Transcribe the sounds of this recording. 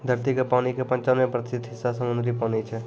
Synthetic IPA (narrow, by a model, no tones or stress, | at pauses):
d̪ʱəɾt̪ikepanikepə̃nt͡ʃanmẽpɾət̪ɪ̥sit̪ɦɪsːasəmə̃nd̪ɾipanit͡ʃʰɛ